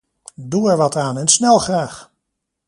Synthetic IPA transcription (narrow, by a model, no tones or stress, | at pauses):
duɛɹʋɑtaːnɛnsnɛlˠχraːχ